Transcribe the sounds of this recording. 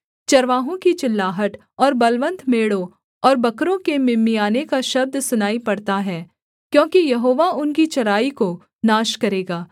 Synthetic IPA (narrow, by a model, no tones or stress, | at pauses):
t͡ʃɐɾʋaːɦõkit͡ʃɪlːaːɦəʈ | ɔːɾbɐlʋə̃nt̪meːɽõ | ɔːɾbɐkɾõkemɪmːijaːnekaʃɐb̚d̪sʊnaːipɐɽt̪aɦɛː | kjõːkijɐɦoːʋaʊnkit͡ʃɐɾaːiko | naːʃkɐɾeːɡaː